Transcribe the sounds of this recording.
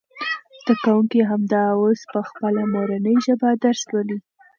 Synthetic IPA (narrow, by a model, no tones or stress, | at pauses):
z̥d̪̥akawuŋkiɦamd̪ɑwospəxpəlamoɾanəjʒəbad̪aɾslali